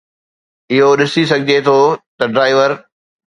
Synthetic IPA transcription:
ɪɦoɗɪsis̬ɐɡʱɪd͡ʑet̪ʰot̪ɐɖɾaːɪʋəɾ

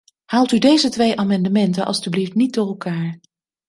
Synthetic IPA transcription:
haːlˠtydejzətʋejʔaːmɑndəmɛntənʔɑ̰lˠstybliftnit̚dʊːrɛlˠkaːɹ

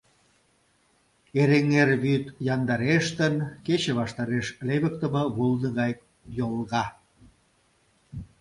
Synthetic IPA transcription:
eɾeŋerβyt̪jɑnd̪ɑɾeʃt̪ənket͡ɕeβɑʃt̪ɑɾeʃleβək̚t̪əməβulnəɣɑjk | jolɣɑ

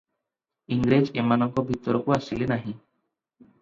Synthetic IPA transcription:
iŋɡɾed͡ʒemanɔŋkɔbʱit̪ɔɾɔkoasilenaɦĩ

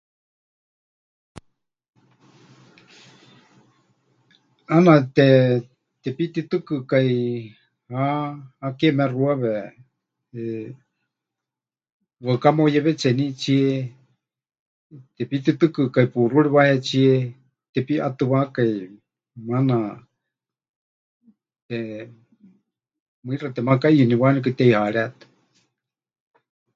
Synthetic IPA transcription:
anãt̪ɛ | t̪ɛpit̪it̪ɨkɨkai | hahakɛmɛ̃ruaβɛ | βakamojɛβɛt͡sɛnĩt͡ʃie | t̪ɛpit̪ɨt̪ɨkɨkaipuruɺɛβahɛt͡siɛ | t̪ɛpiʔat̪ɨβakai | mana | t̪ɛ | mɨirat̪ɛmakaiuniβanɛk̬ɨt̪ɛihaɺɛt̪ɨ̥

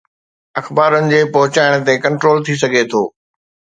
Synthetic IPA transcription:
ɐxbaːɾənɪ̆d͡ʑeːpɐɦʊt͡ɕaːɪɽ̃t̪ekɐ̃ɳʈɾoːlt̪ʰis̬ɐɡʱet̪ʰoː

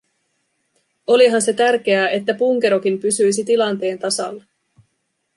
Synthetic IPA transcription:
o̞liɦɑnse̞t̪ærk̟e̞æe̞t̪ːæpuŋk̟e̞ɾo̞k̟impysyjs̬it̪ilɑnt̪e̞ːnt̪ɑsɑ̰lːɑ

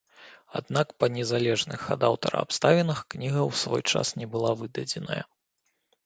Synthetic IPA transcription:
a̰d̪̚nakpɐnʲɛzalʲɛʐnɨ̰xa̰d̪awt̪ɐɾɐ̰a̰pst̪avʲɛnɐxknʲiɣɐwsvɔjt͡ʂa̰snʲɛbɨlˠavɨd̪ɐd͡zʲɛnɐ̰jɐ̰

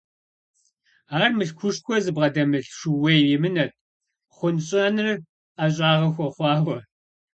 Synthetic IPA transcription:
aːrmɨɬkʷʰʊʂxʷʰɔzɨbʁɐdɐmɨɬʂɨwejwɪmɨnɐt̚ʰʼ | χʷʊnɕʼɐnɨr | aɕ̬ʼaːʁɐxʷɔχʷɑːχʷɔ

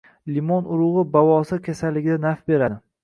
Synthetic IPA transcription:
limɒnʊɾʊʁɨbavɒsɪkʲʰasalːɪɡʲɪd̪anafbe̞ɾad̪ɪ

